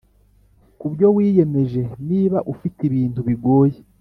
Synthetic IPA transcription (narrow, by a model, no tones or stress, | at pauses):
kubjo̞wiːje̞me̞ʒe̞niːβaʔufitiβiːntuβiɡo̞ːje